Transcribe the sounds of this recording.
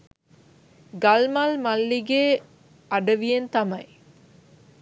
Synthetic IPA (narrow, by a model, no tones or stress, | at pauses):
ɡɐlmɐlmɐlːiɡeː | ɐɖɐʋijent̪ɐmɐj